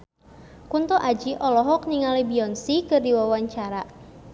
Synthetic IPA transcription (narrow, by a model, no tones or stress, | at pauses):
kunt̪ɔʔad͡ʒiʔɔlɔɦɔkniŋalibiɔnsikɨrdiwawaɲt͡ʃaɾa